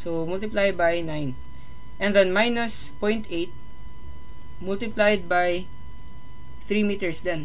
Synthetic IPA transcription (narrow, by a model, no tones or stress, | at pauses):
somʊlt̪ɪplajd̪̚bajnajn | ʔɛ̃nd̪ɐnmajnospɔ̃jnt̪ʔejt̪̚ | mult̪ɪplajd̪̚baj | θɾimit̪ɛɹsd̪ɛn